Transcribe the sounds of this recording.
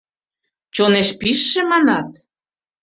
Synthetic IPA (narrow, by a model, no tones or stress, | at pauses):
t͡ɕoneʃpiʃːĕmɑnɑt̪̚